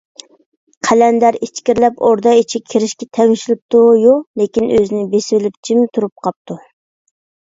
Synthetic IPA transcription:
qʰælɛnd̪æɾit͡ʃkʲiɾlɛpoɾd̪ɑit͡ʃʰikʲʰeɾɪʃkʲɛt̪ʰɛŋɪʃlɪp̚t̪ujolekʲinøzɪnɪbesɪbɪlɪp̚t͡ʃʰimt̪ʰuɾup̚qʰɑp̚t̪ʰu

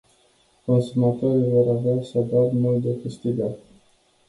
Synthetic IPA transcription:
ko̞nsumat̪oɾivo̞ɾaveasavat̪mult̪d̪efɨst̪id̪at

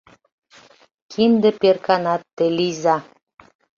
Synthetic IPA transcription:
kʰind̪ĕperkɑnɑt̪ːelizɑ

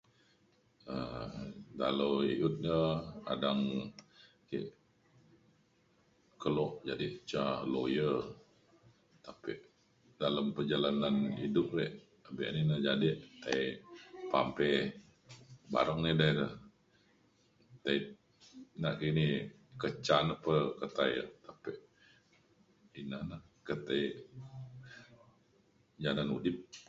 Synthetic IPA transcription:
ə | da̰lowiut̪̚nəka̰daŋ | kḭʔ | kəlɔʔd͡ʒadɪʔt͡ʃalojə | t̪apiʔ | daləmpərd͡ʒalananidʊp̚lɛʔ | abɛ̰ʔninəd͡ʒadɪʔt̪aiʔpa̰mpɛ | ba̰ɾɔŋnidaidə | t̪ai | naʔkini | kət͡ʃanəpəkət̪aḭʔt̪apɪʔ | inana | kət̪aiʔ | d͡ʒananṵdɪp̚

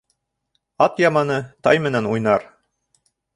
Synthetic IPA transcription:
ɑt̪jɑmɑnɤt̪ɑjmɘ̆nænujnɑɾ

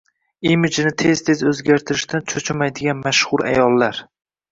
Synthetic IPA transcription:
imɪd͡ʒnɪt̪ʰe̞z̥t̪ʰe̞zɵzɡʲaɾt̪ʰɪɾɪʃt̪ʰant͡ʃʰɵt͡ʃʰɪmajd̪ɪɡʲanmaʃχʊɾa̰jɒlˠːaɾ

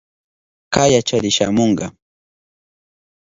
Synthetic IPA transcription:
kajat͡ʃaɾɪʃa̰moɴɢɑ

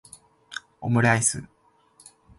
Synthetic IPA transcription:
o̰mɯ̟ɾaisɨ̰

